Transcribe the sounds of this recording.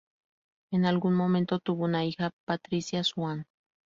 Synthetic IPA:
enalɣunmõ̞mẽnt̪ot̪uβonaixapat̪ɾisjaswan

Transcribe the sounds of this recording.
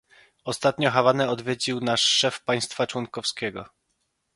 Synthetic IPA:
ɔst̪at̪̚ɲɔxavanɛɔd̪vʲjed͡ʑiwnaʂːɛfpaj̃st̪fat͡ʂwɔŋkɔfskʲɛɡɔ

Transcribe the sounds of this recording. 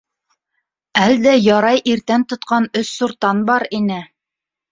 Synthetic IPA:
æld̪æjɑɾɑjʔiɾt̪ænt̪ŏt̪̚qɑnɵsːuɾt̪ɑnbɑɾinɘ

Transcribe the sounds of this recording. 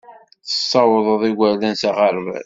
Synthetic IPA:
θə̥sˤːɑwəðˤəðˤiɡæɾlænsaʁəɾvæ̰

